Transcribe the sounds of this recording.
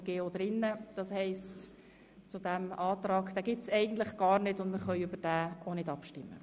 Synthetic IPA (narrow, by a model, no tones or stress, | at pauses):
ɡ̥eːod̪ɾɪnːəd̥ɑshɛɪst | t͡sʊdɛmɑːtɾɑːɡd̥ɛːɡɪsɛɪɡ̚ən̩tlɪχɡ̥ɑːɾnɪtʊndmɪɾχœʏʏbəɾd̥æːonɪdɑpʃtɪmːə̰